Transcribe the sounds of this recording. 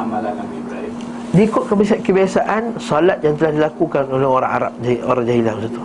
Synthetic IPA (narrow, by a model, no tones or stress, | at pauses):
diːkʊt̪̚kəbisat̪̚kəbiasaʔansɔlat̪̚jaŋt̪əlahdilakukanolɛɦoɾa̰ŋa̰ɾa̰p̚oɾaŋd͡ʒaɦilabəsat̪u̥